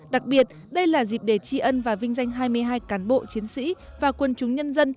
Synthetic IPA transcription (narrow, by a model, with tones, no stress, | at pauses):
ɗa˨˩k̚ɓi˨˩ət̚ | ɗə˧jlaː˨˩zi˨˩p̚ɗe˧˩t͡ɕi˧ʔə˧nvaː˨˩vï˧ŋ̟za˧jŋ̟ɦaː˧jmɨ˧əjɦaː˧jkaː˨˦nɓo̰˧˨t͡ɕi˨˦ənsḭ˧˥vaː˨˩kwə˧nt͡ɕʊ˨˦ŋ͡mɲə˧nzə˧n